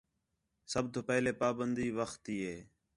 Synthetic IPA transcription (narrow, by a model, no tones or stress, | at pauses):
səb̚t̪oːpɛːleːpaːbənd̪iːʋəxt̪iːɦeː